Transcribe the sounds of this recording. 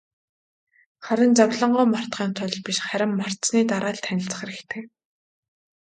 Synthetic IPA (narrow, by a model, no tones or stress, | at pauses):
χaɾʲɪ̆nt͡sawɮə̆ɴɢʊːmar̥t̪ɢiːnt̪ʰʊɮpiʃχæɾʲɪ̆mːar̥sniːt̪aɾʔaːɮt̪ʰænʲɪ̆ɬt͡sə̆χeɾɘ̆xt̪ʰeː